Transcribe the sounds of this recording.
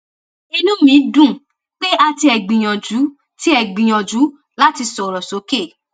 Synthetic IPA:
i˧nũ˦mĩ˨˦dũ˦˨ | k͡pe˦a˧ti˧ɛ˨ɡ͡bĩ˨j̃ɔ̃˨d͡ʒu˨˦ | ti˦ɛ˨ɡ͡bĩ˨j̃ɔ̃˨d͡ʒu˨˦ | la˦ti˧sɔ˨ɾɔ˨so˨˦ke˦˨

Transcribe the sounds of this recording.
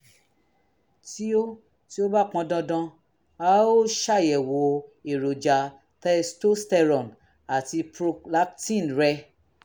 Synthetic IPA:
ti˦o˦ | ti˦o˦ba˦˨k͡pɔ̃˧dɔ̃˧dã˧ | a˦o˦ʃa˦˨jɛ˨wo˨e˨ɾo˨d͡ʒa˨ | tɛ˧sto˦stɛ˧ɾɔ̃˨n | a˨ti˧pɾo˧kla˦ktĩ˦˨nɾɛ˧

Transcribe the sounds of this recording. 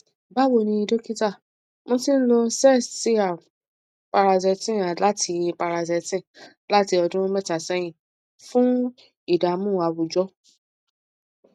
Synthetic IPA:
ba˦˨wo˨nĩ˧i˧do˦ki˦ta˦˨ | mõ˧tĩ˦n̩˦lo˧sɛ˦˨si˦a˨ | pa˧ɾa˧zɛ˨˧tĩ˦˨a˨la˦tʰi˧pa˧ɾa˧zɛ˧tĩ˦˨ | la˦ti˧ɔ˧dũ˦mɛ˦ta˨sɛ˨˦j̃ĩ˦˨ | fũ˦ | i˦˨da˨mũ˦˨a˨˧wu˨d͡ʒɔ˦

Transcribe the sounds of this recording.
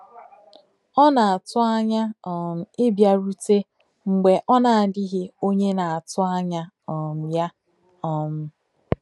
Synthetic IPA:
ɔ˦na˨a˨tʊ˦a˦ɲa˦ɔ˨m̩˨ɪ˦bja˨ɾu˦te˦ | ŋ͡m̩˨ɡ͡be˨ʔɔ˦na˨a˨dɪ˦ɦɪ˦o˦ɲe˦na˨a˨tʊ˦a˦ɲa˦ | ɔ˨m̩˨ja˦ | ɔ˨m̩˨

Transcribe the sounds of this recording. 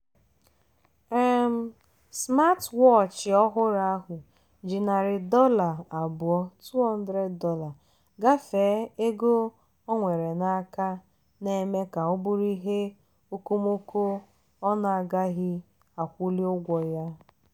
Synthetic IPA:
e˦m̩˦ | sma˦twɔ˦˨t͡ʃɪ˨ɔ˦ɦʊ˦ɾa˦a˦ɦʊ˨ | d͡ʒɪ˨na˨ɾɪ˨dɔ˦la˨a˨bʊ˨ɔ˦tu˦ɔ˦n̩˦dɾe˦dɔ˦la˨ | ɡa˦feː˨˦e˦ɡo˦ | ɔ˦ŋʷe˨ɾe˨na˦ka˦ | ne˨me˦ka˨o˦bʊ˦ɾi˦ɦe˦ | o˦ko˦mo˦ko˦ | ɔ˦na˨a˨ɡa˦ɣɪ˦ | a˨kʷʊ˦li˦ʊ˦ɡʷɔ˨ja˦

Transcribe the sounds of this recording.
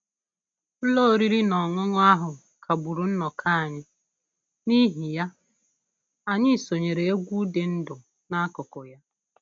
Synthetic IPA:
lo˦˨ɾi˦ɾi˦nɔ˨ŋʷʊ˦ŋʊ˦a˦ɦʊ˨ | kʰa˨bu˨ɾu˨n̩˦nɔ˨kʰa˦a˨ɲɪ˦ | ni˦ɦi˨ja˦ | a˨ɲɪ˦˨so˨ɲe˨ɾe˨e˦ɡʷu˦de˨n̩˦dʊ˨ | na˦kʊ˨kʊ˨ja˦

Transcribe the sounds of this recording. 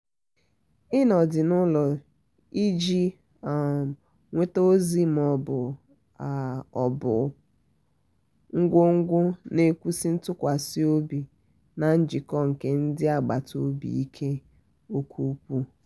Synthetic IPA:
ɪ˦nɔ˨dɪ˨nʊ˦lɔ˨ | i˦d͡ʒi˦˨ | ŋʷe˦to˦zi˦m̩˨ɔ˨bʊ˨ | ɔ˨bʊ˨ | ŋ̩˦ɡʷo˦ŋ̩˦ɡʷʊ˦ne˨kʷu˦si˦n̩˦tʊ˦kʷa˨si˦o˦bi˨ | na˨n̩˦d͡ʒɪ˨kɔ˦ŋ̩˨ke˦n̩˦dɪ˦a˨ɡ͡ba˨to˦bḭ˨i˦kʰe˦ | o˦kʰʷu˦kʷu˦

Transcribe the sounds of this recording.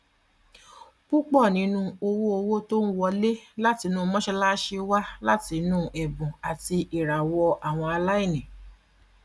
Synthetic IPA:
k͡pu˦k͡pɔ˦˨nĩ˨˦nũ˧o˧wo˦o˧wo˦to˦n̩˦wɔ˧le˦la˦ti˧nũː˦˧mɔ̃˦ʃɛ˧la˦ʃe˧wa˦la˦ti˧nũ˦ʔɛ˨bũ˨a˨ti˧ʔi˨ɾa˨wɔ˧ʔa˨w̃ɔ̃˧a˧la˦i˦˨nĩ˨

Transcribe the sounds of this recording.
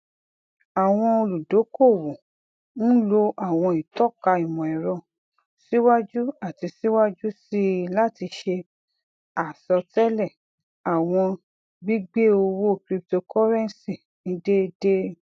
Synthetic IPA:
a˨w̃ɔ̃˧o˧lu˨do˨˦ko˦˨wo˨ | n̩˦lo˧a˦˨w̃ɔ̃˧i˨tɔ˦˨ka˧i˨mɔ̃˨ɛ˨ɾɔ̃˧˨ | si˦wa˦d͡ʒu˦a˦˨ti˧si˦wa˦d͡ʒu˦si˦la˦˨ti˧ʃe˧ | a˨sɔ˧tɛ˦lɛ˦˨ | a˨w̃ɔ̃˧ | ɡ͡bi˦ɡ͡be˦o˧wo˦kɾi˦p̚to˧kʰɔ˦ɾɛ̃˦n˨si˦˨ | nĩ˨˦de˦˧de˦

